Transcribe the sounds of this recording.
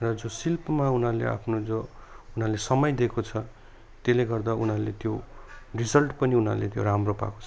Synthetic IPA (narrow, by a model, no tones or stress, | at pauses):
rʌd͡zosilpmaunalḛa̰pʰnod͡zounalesʌmʌjd̪ekot͡sʰʌ | t̪eleɡʌrd̪aunalḛt̪jorid͡zʌlʈpʌniuna̰lḛt̪jo̰ɾamropa̰ko̥t͡sʰʌ